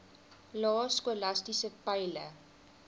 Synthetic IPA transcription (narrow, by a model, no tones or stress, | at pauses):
lɑːskolastisəpæjlə